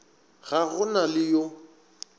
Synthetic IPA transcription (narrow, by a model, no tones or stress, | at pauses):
ɣaɣʊnalɪjo